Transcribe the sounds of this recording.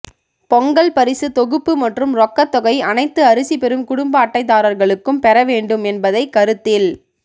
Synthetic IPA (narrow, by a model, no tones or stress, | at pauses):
pɔŋɡɐɭpɐɾɪsɯt̪ɔɣɯpːɯmɐʈrɯmɾɔkːɐt̪ːɔɣɐɪɐnɐɪt̪ːɯɐɾɯsipɛɾɯmkʊɽʊmbɐːʈːɐɪt̪ːaːɾɐɾɣɐɭɯkːɯmpɛɾɐʋeːɳɖɯmɛnbɐðɐɪkːɐɾɯt̪ːɪl